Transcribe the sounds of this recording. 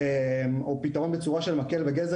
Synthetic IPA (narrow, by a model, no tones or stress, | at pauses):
emopitaʁo̞nbet͡suʁaʃe̞lmakelveɡez